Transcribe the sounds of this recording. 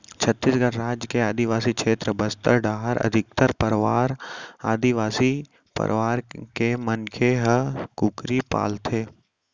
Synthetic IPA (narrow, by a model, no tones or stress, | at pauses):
t͡ʃʰət̪ːiːsɡəɾɾaːd͡ʒkeaːd̪iʋaːsikʃʰeːt̪ɾəbɐst̪əɾɖaːɦəɾʔɐ̰d̪ʱɪk̚t̪əɾpəɾʋaːɾaːd̪iʋaːsi | pə̰ɾʔʋaːɾkemɐnkʰeɦəkʊkɾipa̰ːlt̪ʰeː